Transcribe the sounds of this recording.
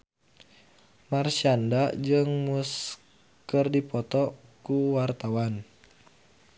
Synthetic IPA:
marʃandad͡ʒɨŋmus | kərdipɔt̪ɔkuwart̪awan

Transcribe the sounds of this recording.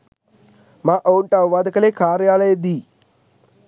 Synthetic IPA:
maːʔɐwɳʈɐʋʋaːd̪ɐkɐleːkaːɾjaːlɐjɐd̪i

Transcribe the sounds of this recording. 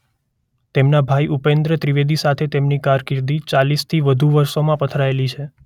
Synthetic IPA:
t̪emnabʱaiʔupẽnd̪ɾət̪ɾiʋed̪isat̪ʰet̪emnikaɾkɪɾd̪it͡ʃalist̪ʰiʋəd̪ʱuʋəɾsomãpət̪ʰɾaelit͡ʃʰe

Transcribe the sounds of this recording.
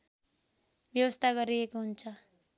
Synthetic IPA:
bjʌwʌst̪ʰaɡʌɾiekoɦunt͡sʰʌ

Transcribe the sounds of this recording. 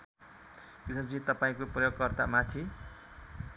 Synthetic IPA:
krisnʌd͡zit̪ʌpaĩkoprʌjoɡ̚kʌrt̪amat̪ʰi

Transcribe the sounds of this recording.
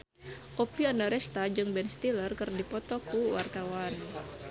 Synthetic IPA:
ʔopiandaɾɛst̪ad͡ʒɨŋbɛnst̪ilərkɨrdipɔt̪ɔkuwart̪awan

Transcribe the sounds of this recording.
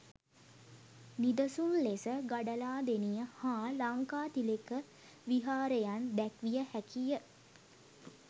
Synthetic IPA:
nid̪əsunlesəɡaɖəlaːd̪enijəhaːlaŋkaːt̪ilekə | ʋiɦaːɾejand̪ækʋijəhækijə

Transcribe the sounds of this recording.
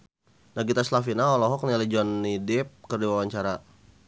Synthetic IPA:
naɡit̪aslafinaɔlɔɦɔk̚nialid͡ʒɔnːidɪp̚kərdiwawaɲt͡ʃaɾa

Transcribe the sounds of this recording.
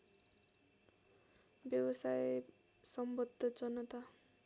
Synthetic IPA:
bjʌwʌsaj | sʌmbʌd̪ʱːʌd͡zʌnʌt̪a

